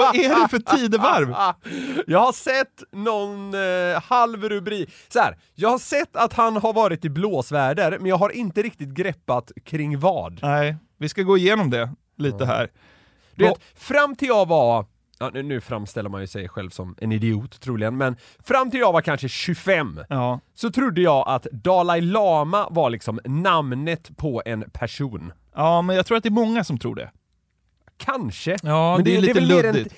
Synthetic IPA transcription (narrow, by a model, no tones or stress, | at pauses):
aæɖɛfœʈʰiːd̪əvaɾv | jɑːɡhaʂɛt̪ːnɔnhalvɾɵbɾiːk | sɔhæ̰ːɾ | jɑːɡhaʂɛt̪ːat̪hanhaɾvɑːɾɪt̪ɪbloːsvæːɖəɾmɛnjɑːɡɦaɾʔɪnt̪əɾɪk̚t̪ɪt̪̚ɡɾɛpːat̪kʰɾɪŋːvɑ̰ːd̪nɛ | vɪskaɡoːɪjeːnɔmd̪ɛ | liːt̪əɦæ̰ːɾ | d̪ɵveːt̪ | fɾamːt̪ʰɪlɑva | ʔɑnʉnʉ̟ːfɾamːst̪ɛlːəɾmanjɵsɛjɧɛlvsɔmɛ̰nɪd̪ɪuːt̪ʰːɾuːlɪɡənmɛn | fɾamːt̪ɪljɑːvakʰanʂəɕɵfɛmːsɔt̪ʰɾʊd̪ːəjɑːɡʔat̪d̪ɑːlaɪlɑːmavaɭɪksɔmnamnət̪pʰɔɛnpʰæʂuːn | ɑːmɛnjɑɡt̪ʰɾuːat̪d̪ɛɾmɔŋːasɔmt̪ʰɾṵːɖɛ̰ | kʰanʂəːɛnɛliɛɛːɾɛɪ